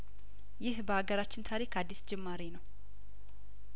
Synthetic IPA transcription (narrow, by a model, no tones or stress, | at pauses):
jɪhbəaɡəɾat͡ʃːɪnt̪ʰaɾikʰad̪ːisd͡ʒɛmːaɾinəw